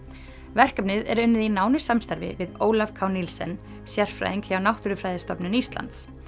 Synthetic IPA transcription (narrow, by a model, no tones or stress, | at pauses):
vɛr̥kapnɪðɛ̰ɾʏnːɪðinaːwnɪ̥samst̪aɾvɪ̰vɪðoːwlafkʰaːwnilsɛ̰n | sjɛr̥fɾa̰jðiŋkhjawnawht̪ʏɾʏfɾajðɪst̪ɔpnɪnist̪la̰nt̪s